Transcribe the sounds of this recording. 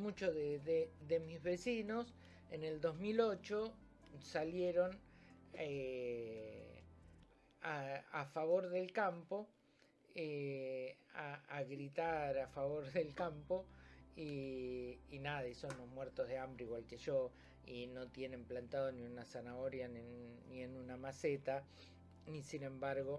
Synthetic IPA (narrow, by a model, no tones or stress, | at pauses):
mut͡ʃoðeðeðemizβe̞sinos | ene̞ld̪o̞zmilo̞t͡ʃo | saljeɾo̞n | e | aafaβo̞ɾðelkampo | e | aaɣɾit̪aɾafaβo̞ɾðelkampo̞iː | naðaisonlozmweɾt̪o̞zðeambɾeiɣwalkeʒo̞ | ino̞t̪je̞ne̞mplant̪aðo̞niunasanaoɾjannːie̞nunamaset̪a | nisinẽ̞mbaɾɣo̞